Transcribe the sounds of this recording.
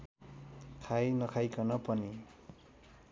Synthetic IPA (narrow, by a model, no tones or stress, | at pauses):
kʰajnʌkʰajkʌnʌpʌni